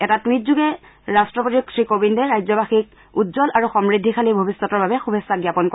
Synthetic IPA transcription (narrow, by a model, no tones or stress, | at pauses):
ɛtatuit̚zuɡɛ | ɹastɹɔpotik̚tʰɹikobindɛɹajzɔbaxik̚ | utzɔlaɹuxɔmɹidʱːixʰalibʱobisːɔtɔɹbabɛxubʱɛsːaɡjapɔnkɔ